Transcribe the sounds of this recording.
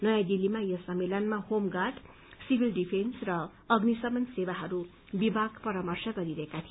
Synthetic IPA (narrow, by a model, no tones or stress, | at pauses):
nʌjajd̪ilːimajʌsʌmːelʌnmahomɡaʈ | sibʱilɖipʰensrʌ | ʌɡnisʌmʌnsebaɦʌɾu | bibʱaɡpʌɾamʌrsʰʌɡʌɾiɾʌɦekat̪ʰi